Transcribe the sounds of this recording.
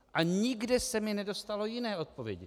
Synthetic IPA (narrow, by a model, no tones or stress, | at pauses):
ʔaɲɪɡdɛsɛmɪnɛdo̞st̪alo̞jɪnɛːʔo̞t̪̚povjɛɟɪ̰